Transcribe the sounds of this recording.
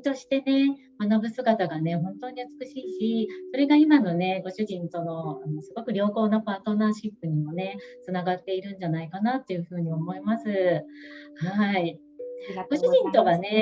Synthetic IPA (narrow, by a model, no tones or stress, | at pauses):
t̪o̞ɕi̥t̪e̞ne̞ | manabɯ̟sɨɡat̪aɡane̞ɦõ̞nt̪o̞ɲ̟iɯ̟t͡sɨ̥kɯ̟ɕiːɕiso̞ɾe̞ɡaimano̞ne̞ɡo̞ɕɨʑĩnt̪o̞no̞anosɨɡo̞kɯ̟ɾʲo̞ːko̞ːnapaːt̪o̞naːɕipːɯ̟ɲ̟imo̞ne̞t͡sɨnaɡat̪ːe̞iɾɯ̟̃ɲd͡ʑanaikanat̪ːe̞jɯ̟ɸɯ̟ːɲ̟io̞mo̞imasɨ | hai | ɡo̞ɕɨʑĩnt̪o̞ɡane̞